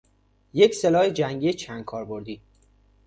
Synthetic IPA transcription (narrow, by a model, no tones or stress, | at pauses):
je̞cse̞lɒːhed͡ʒæŋɡijet͡ʃʰænd̪̥̚kʰɒːɾbo̞ɾd̪iː